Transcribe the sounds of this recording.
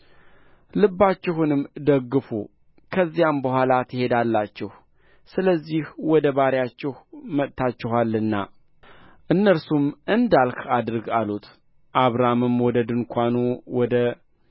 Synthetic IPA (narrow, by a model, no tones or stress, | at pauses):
lɨbːat͡ʃːɪɦunɨmd̪əɡːɨfu | kʰəzːijambəɦʷalat̪ʰəhe̞d̪alːat͡ʃːɛh | sɨləzːihwɔd̪əβaɾjat͡ʃːɪhmət̪t̪ʰat͡ʃːɪɦalːɨnːa̰ | ʔɨnːəɾsumʔɨnd̪alkad̪ɨɾɡalut̪ | ʔaβɾamɨmwɔd̪əd̪ɨŋkʷʰanuwɔd̪ə